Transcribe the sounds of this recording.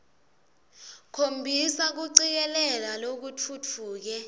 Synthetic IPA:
kʰombʱisak̬uǀik̬ɛlɛlalok̬ut͡fʰut͡fʰuːk̬ɛ

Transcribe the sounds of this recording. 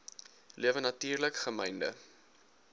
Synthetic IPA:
lʔiəvənɐtiːrləkχəmɛjndə̰

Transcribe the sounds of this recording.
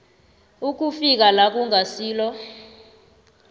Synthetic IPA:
uk̬ufik̬alak̬uŋʱasiːlɔ

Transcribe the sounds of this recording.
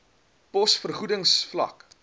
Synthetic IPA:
pɔsfərχudəŋsflɐ̰k

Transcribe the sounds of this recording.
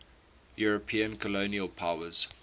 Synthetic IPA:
juɹəpʰĩə̃nkʰəloːniəlˠpʰaʊəz̥

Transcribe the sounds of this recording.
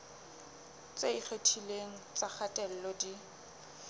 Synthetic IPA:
t͡sʼeiχetʰileŋ̩t͡sʼak͡xʰatʼɛl̩lɔdi

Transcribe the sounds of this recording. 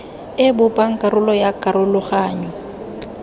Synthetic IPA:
ɪbʊpʼaŋ̩kʼaɾʊlɔjakʼaɾʊlʊχaːɲɔ

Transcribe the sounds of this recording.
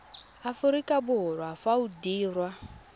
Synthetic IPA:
afuɾikabuɦɔɾɔafaudiːrwa

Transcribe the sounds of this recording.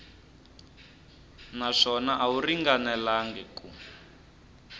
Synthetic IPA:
naʂɔnaʔauriŋɡanɛlaŋɡɛku

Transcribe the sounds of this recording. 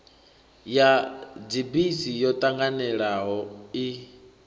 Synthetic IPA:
jad͡zibisijɔt̪ʼaŋɡanɛɺaɦɔi

